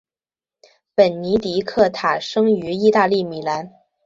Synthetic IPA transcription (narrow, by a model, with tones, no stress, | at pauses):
pə˨˩nni˧˥t̪i˧˥kʰɤ˥˩t̪ʰa˨˩ʂɤ˥ŋy˧˥i˥˧t̪a˥˧li˥˩mi˨˩la˧˥n